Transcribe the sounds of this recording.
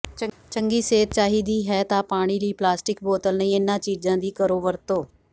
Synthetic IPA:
t͡ʃə̃ŋɡiːseːt̪̚t͡ʃaːɦiːd̪iːɦɛːt̪ãːpaːɽ̃iːliːplaːsʈɪkboːt̪əlnəĩːɪnãːt͡ʃiːd͡ʒãːd̪iːkəɾoːʋəɾt̪oː

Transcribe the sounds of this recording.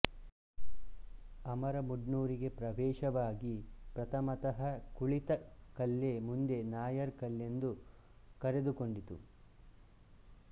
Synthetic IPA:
ɐmɐɾɐmuɖnuːɾiɡe̞pɾɐʋɛːʃɐʋaːɡipɾɐt̪ʰɐmɐt̪ɐɦɐkuɭit̪ɐkɐlːemund̪e̞naːjɐɾkɐlːe̞nd̪u | kɐɾe̞d̪uko̞ɳɖit̪ṵ

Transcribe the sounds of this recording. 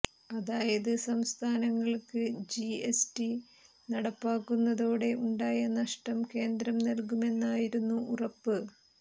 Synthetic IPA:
ɐðaːjɐðɨsɐmst̪ʰaːnɐŋːɐɭkɨd͡ʑiesti | nɐɽɐpːaːkːunːɐðo̞ːɽe̞ʔuɳɖaːjɐnːɐʂʈɐmke̞ːnd̪ɾɐmnelkume̞nːaːjiɾunːuːrɐpːɨ

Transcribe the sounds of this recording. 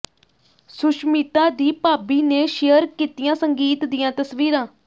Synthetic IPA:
sʊʃmiːt̪ãːd̪iːpaːbiːneːʃejəɾkiːt̪ijãːsəŋɡiːt̪d̪ijãːt̪əsʋiːɾãː

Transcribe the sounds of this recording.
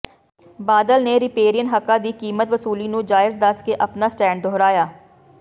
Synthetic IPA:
baːd̪əlneːɾɪpeːɾiənɦəkãːd̪iːkiːmət̪ʋəsuːliːnũːd͡ʒaːɪzd̪əskeːʔəpnaːsʈɛ̃ːɳɖ̚d̪ʱoːɾaːjaː

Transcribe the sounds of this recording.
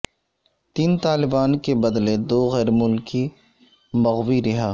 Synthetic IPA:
t̪iːnt̪aːlɪbaːnkebɐd̪led̪oːɣɛːɾmʊlki | mɐɣwiɾɪɦaː

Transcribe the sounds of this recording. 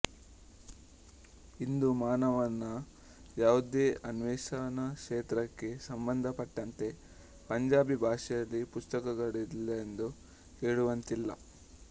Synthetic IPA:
ind̪umaːnɐʋɐnːɐ | jaːʋud̪eːʔɐnʋeːʃaːnɐkʂeːt̪ɾɐkːe̞sɐmbɐnd̪ʱɐpɐʈːɐnt̪e̞ | pɐɲd͡ʒaːbibʱaːʂɛjɐlːipust̪ɐkɐɡɐɭilːɐend̪u | heːɽuʋɐnt̪ilːɐ̰

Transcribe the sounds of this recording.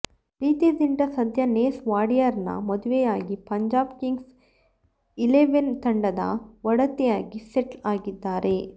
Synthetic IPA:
ɾiːt̪id̪iɳʈɐsɐd̪ʱjɐneːsʋaːɽijɐɾnɐ̰mɐd̪uʋejaːɡipɐɲd͡ʒaːbkiŋɡs | ileʋent̪ɐɳɖɐd̪ɐ̰ʋɐɽɐt̪ɛjaːɡiseʈaːɡid̪ːaːɾe̞

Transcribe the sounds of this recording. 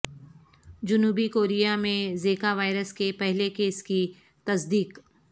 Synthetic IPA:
d͡ʒʊnuːbikoːɾijamẽzeːkaʋaːɪɾəskepɛɦlekeːski | t̪ɐsd̪iːk

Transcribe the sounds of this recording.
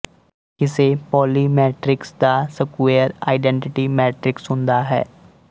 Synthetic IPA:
kɪsepɔːlimɛːʈɾɪksd̪asəkʋeːəɾa̰ːɪɖɛ̃ɳʈɪʈimɛːʈɾɪksɦʊ̃nd̪aɦɛ̰ː

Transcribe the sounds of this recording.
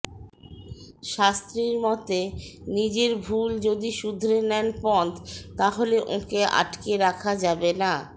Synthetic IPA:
ʃast̪ɾiɾmɔt̪enid͡ʑeɾbʱuld͡ʑod̪iʃud̪ʱɾenɛnpɔnt̪t̪aɦoleʔõ̰keʔa̰ʈkeɾakʰad͡ʑabena

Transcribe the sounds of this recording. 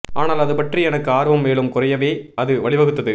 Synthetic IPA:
ʔaːnaːlɐðɯpɐʈriɛnɐkːɯaːɾɯʋɐmːeːɭɯmkʊrɐjɐʋeːɐðɯʋɐɭɪʋɐɣɯt̪ːɐðɯ

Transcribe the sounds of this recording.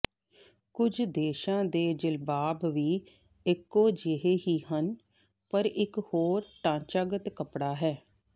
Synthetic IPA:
kʊd͡ʒd̪eːʃãːd̪eːd͡ʒɪlbaːbʋiː | ɪkːoːd͡ʒɪɦeːɦiːɦən | pəɾɪkhoːɾʈãːt͡ʃaːɡət̪kəpɽaːɦɛː

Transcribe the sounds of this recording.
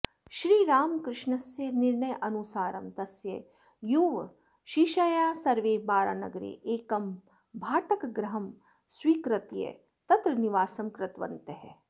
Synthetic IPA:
ʃɾiːɾaːmkɾɪʂɳɐsjɐniɾɳɐjʔɐnusaːɾɐmt̪ɐsjɐ̰ | juːʋ | ʃiʃɐjaːsɐɾʋeːbaːɾa̰ːnɐ̰ɡɐɾḛːʔeːkɐm | bʱaːʈɐkɐɡɾɐɦɐm | swiːkɾɐt̪jɐ̰ | t̪ɐt̪ɾɐniʋaːsɐmkɾɪt̪ʋɐ̰nt̪eɦe

